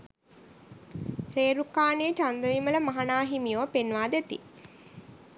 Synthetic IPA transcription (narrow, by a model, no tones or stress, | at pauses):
ɾeːɾukaːneːt͡ʃand̪əʋimələmaɦanaːɦimijoʋpenʋaːd̪et̪ḭ